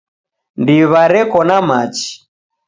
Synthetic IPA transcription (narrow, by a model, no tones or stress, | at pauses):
ndiβaɾɛkɔnamat͡ʃi̥